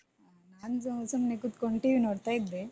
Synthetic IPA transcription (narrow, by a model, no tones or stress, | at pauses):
naːnsɐusɐmnekut̪koɳʈiːʋinoːɽt̪aːjid̪ːe